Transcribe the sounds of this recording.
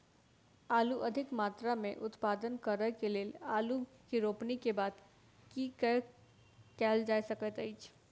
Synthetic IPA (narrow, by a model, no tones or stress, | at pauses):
aːluʔɐd̪ʱɪkmaːt̪ɾamẽʔʊt̪paːd̪ənkəɾəkeleːlaːlukiɾoːpnikebaːd̪ | kikə | kɛːld͡ʒaːjsɐkət̪əit͡ʃʰ